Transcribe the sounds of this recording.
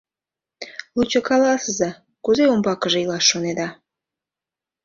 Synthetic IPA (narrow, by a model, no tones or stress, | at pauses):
lut͡ɕokɑlɑsəzɑ | kuzeombɑkə̆ʒeilˠɑʃːoned̪ɑ